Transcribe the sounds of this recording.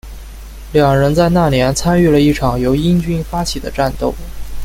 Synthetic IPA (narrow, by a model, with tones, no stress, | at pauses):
ljɑ˨˩ŋɻə˧˥nt͡sa˥˧ɪna˥˩njɛ˧˥nt͡sʰa˥ny˥˩lə˩i˥˩ʈ͡ʂʰɑ˨˩ŋjo˧˥ʊi˥nt͡ɕy˥nfa˥t͡ɕʰi˨˩d̪ə̰˦ʈ͡ʂa˥˧nt̪o˥˩ʊ